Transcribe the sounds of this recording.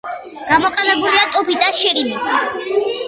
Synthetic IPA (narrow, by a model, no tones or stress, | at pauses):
ɡ̥amɔqʼɛlɛbuliat̪ʼupid̪aʃiɾini